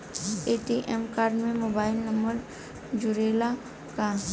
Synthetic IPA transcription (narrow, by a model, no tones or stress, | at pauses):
eʈiʔemkaːɾɖmẽmoːbaːɪlnɐmbəɾ | d͡ʒʊɾeːla | kaːn